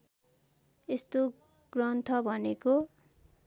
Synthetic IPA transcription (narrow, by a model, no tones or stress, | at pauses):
est̪o | ɡ̥rʌnt̪ʰʌbʱʌneko